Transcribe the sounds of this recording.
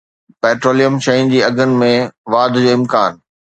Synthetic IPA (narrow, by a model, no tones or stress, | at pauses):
pɛːʈɾoːlijəmʃɐjʊnɪ̆d͡ʑiːɐɡʱənɪ̆mẽʋaːd̪ʱd͡ʑoːɪmkaːn